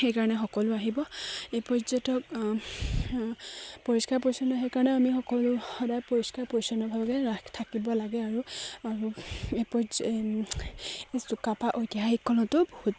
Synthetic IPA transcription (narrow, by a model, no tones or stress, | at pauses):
xejkaɹɔnɛxɔkɔlʊaɦibɔepɔzɔtɔk̚ | poɹiskaɹpɔɹisɔnɔaɦɛkaɹɔnɛamixɔkɔlʊxɔdajpoɹiskaɹpɔisɔnɔbʱabɡɛatʰakibɔlaɡɛaɹuaɹuepɔz | esukapaʔojtiɦaɦikʰːɔlɔtʊbohut